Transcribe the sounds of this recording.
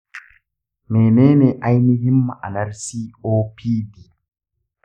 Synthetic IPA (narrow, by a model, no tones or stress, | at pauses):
mɛːnɛːnɛʔajnihimːaʔa̰naɾsioːpʰiːdi